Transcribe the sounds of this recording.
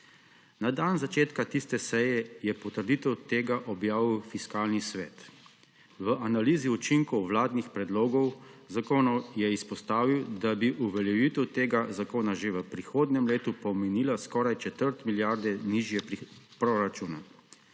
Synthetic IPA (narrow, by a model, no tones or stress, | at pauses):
nad̪anzat͡ʃeːt̪kat̪ist̪ɛsɛjɛjɛpɔt̪əɾd̪iːt̪ɛwt̪eːɡaʔɔbjaːʋiwfiskaːlnisʋɛːt̪ | ʋəʔanaliːziut͡ʃiŋkɔwʋlaːd̪nixpɾɛd̪loːɡɔwzakoːnɔwjɛispɔst̪aːʋiwd̪abiʔuʋɛljɛʋiːt̪ɛwt̪eːɡazakoːnaʒeʋəpɾixoːd̪nɛmleːt̪upɔmɛniːlaskɔːɾajt͡ʃɛt̪əɾt̪miljaːɾd̪ɛniʒjɛppɾoɾat͡ʃuːna